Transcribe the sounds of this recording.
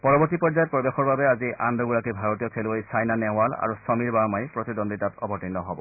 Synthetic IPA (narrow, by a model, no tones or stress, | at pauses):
pɔɹɔbɔɹtipɔɹzajɔt̚pɹɔbexɔɹbabɛaziʔandɔɡuɹakibʱaɹotijɔkʰeluojsajnanɛwala̰ɹusɔmiɹbamajpɹɔtidɔnditatɔ̰bʱɔtinːɔɦɔbɔ